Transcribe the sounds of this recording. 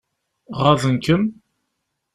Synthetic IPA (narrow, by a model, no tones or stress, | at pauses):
ʁaðənkəm